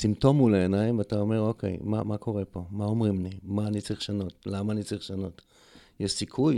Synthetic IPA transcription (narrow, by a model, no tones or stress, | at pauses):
simto̞muleenaimvataomeʁo̞kʰḛjma̰makʰo̞ʁepo̞mao̞mʁimlimaːnit͡saʁiχʃano̞tlamaːnit͡saʁiχʃano̞t | jeʃsikʰuj